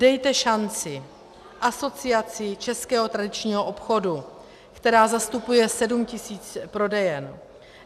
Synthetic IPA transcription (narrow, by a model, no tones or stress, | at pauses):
dɛjt̪ɛʃant͡sɪ | ʔaso̞t͡sɪat͡sɪt͡ʃɛskɛːɦot̪ɾadɪt͡ʃɲiːɦoʔopxo̞du | kt̪ɛɾaːzast̪upujɛsɛdumcɪsiːt͡spɾo̞dɛjɛn